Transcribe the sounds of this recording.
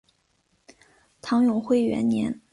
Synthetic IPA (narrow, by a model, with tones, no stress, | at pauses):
t̪ʰɑ˧˥ŋjʊ˨˩ŋxwe˥˩ɪɥɛ̰˧˥nnjɛ˧˥n